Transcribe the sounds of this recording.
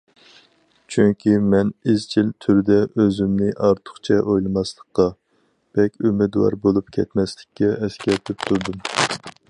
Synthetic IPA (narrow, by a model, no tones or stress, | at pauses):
t͡ʃʰyŋkʲʰimɛnizt͡ʃʰilt̪ʰyɾd̪ɛøzymnɪʔɑɾt̪ʰʊ̥χt͡ʃʰɛʔojlˠɨmɑslˠəqqɑ | b̥ɛkʲymɪd̪wɑ̰ɾbolˠupkʲʰɛt̪mɛslɪkʲːɛɛskʲɛɾt̪ʰɪp̚t̪ʰuɾd̪um